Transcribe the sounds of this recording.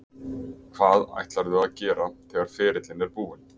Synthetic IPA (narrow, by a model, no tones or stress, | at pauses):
kʰv̥aːða̰jht̪laɾðʏaðcɛːɾaθʰɛːɣaɾ̥fɛːɾɪt̪lɪnɛɾpuːɪn